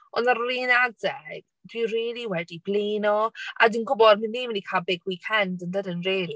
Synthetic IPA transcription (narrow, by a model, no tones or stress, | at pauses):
ɔnaɾlinadɛɡ̥ | d̥wiriːlˠiwɛdibleːnɔʔa̰diːnɡʊbɔd̚manːiːmɪnikʰalˠbɪɡwiːkʰɛndəndədənriːli